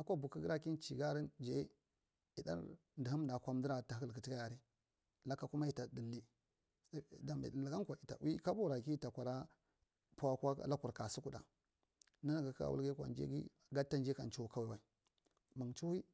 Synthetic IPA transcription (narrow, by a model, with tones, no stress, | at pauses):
a˨kʷa˦bu˨ki˦ɡi˦ɾa˦ki˦nt͡ʃi˨ɡa˦ɾi˦nd͡ʒe˦ | i˨da̰˦ɾ | ndi˨ɦu˦m˦da˨kʷa˦m˦di˦ɾa˨ta˨ɦə˦lkə˨ti˦ka˦ja˨ɾi˦ | la˦kːa˦ku˦ma˦i˨ta˨də˨lːi˦ | da˨mḭ˨lɡa˦ŋkʷa˨i˨ta̰˨wi˦ka˦bu˦ɾa˨ki˦ta˨kʷa˨ɾa˦ | pu˦a˦kʷa̰˦˨˦la˦ku˨ɾka˨su˦ku˨da̰˨ | na˦na˨ɡa˨ka̰˨wṵ˦ɡe˦kʷa̰˨nd͡ʒḛ˦ɡḭ˦ | ɡa˦tːa˦nd͡ʒe˦ka˨nt͡ʃu˦u˨˦ka˦we˨wa˨i˨ | mə˨ŋt͡ʃu˦wi˦